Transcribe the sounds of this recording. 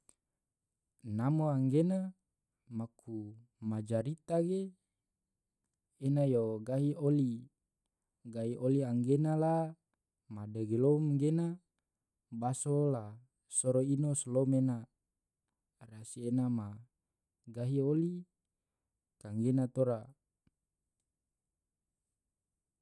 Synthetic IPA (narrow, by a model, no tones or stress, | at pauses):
namoaŋɡena | makʰu | mad͡ʒaɾit̪aɡe | najoɡaɦioli | ɡaɦiʔoliaŋɡenala | madəɡelomɡena | basola | soɾoinoslomena | rasienama | ɡaɦioli | kaŋɡenat̪oɾa